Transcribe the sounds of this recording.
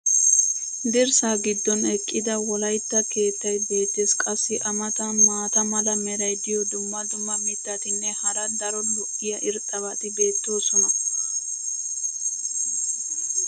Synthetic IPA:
d̪ɪɾsaːɡɪd̪ːɔnɛkʼːɪd̪ɐwɔlɐjt̪ːɐke̞ːt̪ːɐjbe̞ːt̪ːɪskʼɐsːɪʔɐmɐt̪ɐmaːt̪ɐmɐlɐmɛɾɐjd̪ɪjɔd̪ʊmːɐd̪ʊmːɐmɪd̪ːɐt̪ɪnːɛhɐɾɐd̪ɐɾɔlɔʔɪjɐʔɪɾt̪ʼːɐβɐt̪ɪbe̞ːt̪ːo̞ːsɔnɐ

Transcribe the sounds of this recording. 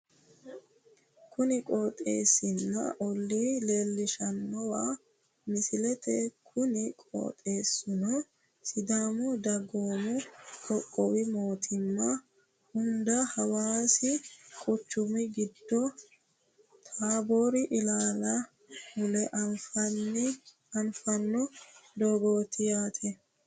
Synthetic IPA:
kʊnɪkʼoːt̪ʼe̞̰ːsɪnːɐ̰ʔɔlːile̞ːlːɪʃɐnːɔwaː | mɪsɪlɛt̪ɛkʰʊnɪkʼo̰ːt̪ʼe̞ːsːʊnɔ | sɪd̪aːmʊd̪ɐɡoːmʊkʰʼɔkʼːɔwɪmo̞ːt̪ʰɪmːɐ | hʊnd̪ɐhɐwaːsɪkʼʊt͡ʃːʊmɪɡɪd̪ːɔ | t̪ʰaːboːɾɪʔɪlaːlɐ | hʊlɛʔfɐn | ɐnfɐnːɔd̪oːɡo̞ːt̪ɪjaːt̪ʰɛ

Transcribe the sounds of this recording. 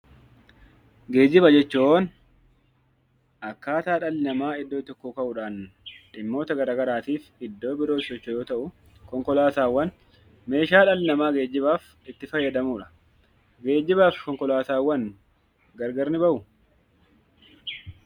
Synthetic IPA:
ɡe̞ːd͡ʒːɪbɐd͡ʒɛt͡ʃːooːn | ʔɐkːaːt̪aːᶑɐlɪnɐmaːɪd̪ːo̞ːt̪ːɔkːoːkɐʔʊᶑaːnᶑɪmːo̞ːt̪ɐɡɐɾaːɡɐɾaːt̪iːfɪd̪ːo̞ːbɪɾoːɪsɔt͡ʃːojo̞ːt̪ɐʔʊ | kɔŋkɔlaːsaːwːɐn | me̞ːʃaːᶑɐlɪnɐmaːɡe̞ːd͡ʒːɪbaːf | ɪt̪ːɪfɐjːɐd̪ɐmuːᶑɐ̥ | ɡe̞ːd͡ʒːɪbaːfkɔŋkɔlaːsaːwːɐn | ɡɐɾɡɐɾnɪbɐʔʊ

